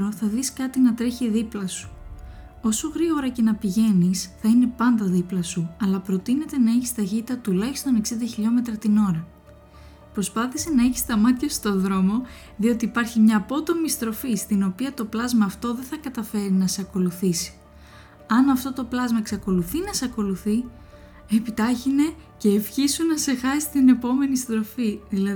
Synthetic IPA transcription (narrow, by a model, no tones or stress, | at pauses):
ɾoθɐðiskɐt̪inɐt̪ɾe̞çiðiplɐsu̥ | o̞so̞ɣɾiɣo̞ɾɐce̞nɐpiʝe̞nisθɐine̞pɐnd̪ɐðiplɐsuɐlɐpɾo̞t̪ine̞t̪e̞nɐeçist̪ɐçit̪ɐt̪ulɐçi̥st̪o̞ne̞ksind̪ɐçiʎo̞me̞t̪ɾɐt̪ino̞ɾɐ | pɾo̞spɐθise̞nɐe̞çi̥st̪ɐmɐt̪çɐst̪o̞ðɾo̞mo̞ | ðio̞t̪iːpɐɾçimɲɐːpo̞t̪o̞mist̪ɾo̞fist̪ino̞piɐt̪o̞plɐzmɐːft̪o̞ðe̞θɐkɐt̪ɐfe̞ɾinɐseɐko̞luθisi̥ | ɐnɐft̪o̞t̪o̞plɐzmɐeksɐko̞luθinɐseɐko̞luθi | epit̪ɐçine̞ce̞ːfçisunɐse̞xɐsi̥st̪ine̞po̞me̞nist̪ɾo̞fiðilɐ